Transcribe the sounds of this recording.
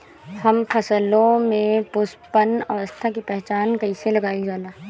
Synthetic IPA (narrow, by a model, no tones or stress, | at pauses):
hɐmfʰɐsəlõmẽpʊspənɐʋəst̪ʰakipɛɦt͡ʃaːnkɐiselɐɡaːid͡ʒaːlaː